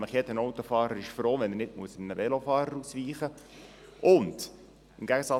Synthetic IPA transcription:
məχjɛdənɔwt̪ofɑːɾəɾɪʃfɾoːʋɛnənɪtmuəsəmnəʋɛlofɑːɾəɾusʋiːχə | ʊnd̪̥ | ɪmɡ̥æɡəsɑ

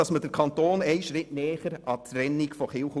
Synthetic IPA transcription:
ɑsməd̥əɾkʰɑntoːnɛɪʃɾɪtnɛːχəɾɑtɾɛnːikfɔχɪlχ

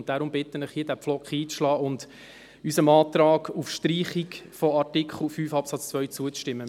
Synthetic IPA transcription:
nt̚d̥aɾʊmbɪtənɪχhiːdæpflɔkχiːʃlɑːʊnd | ysəmɑːt̪ɾɑːɡufʃtriːχikfɔɑtɪkχəl̩ˠfyːfɑpsɑt͡st͡svœʏɥt͡suət͡sʃtɪmːə

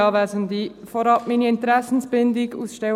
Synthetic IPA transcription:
ɑːʋæzənd̪ifɔɾɑpminiɪnt̪ɾæsn̩sb̥ɪnd̪ɪɡusʃtɛ

